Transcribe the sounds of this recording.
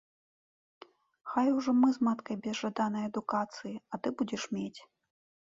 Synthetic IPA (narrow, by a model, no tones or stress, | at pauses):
xajuʐɔmɨzmat̪kɐjbʲɛzʐad̪anɐjɐd̪ukat̪sɨjiɐt̪ɨbud͡zʲɛʂmʲet͡sʲ